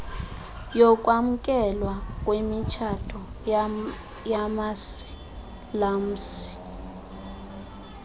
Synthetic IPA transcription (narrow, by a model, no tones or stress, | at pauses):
jɔkʼwam̩kʼɛlwak̬ʼwemit͡ʃʰatʰɔ | jamasi̥ | lam̩si̥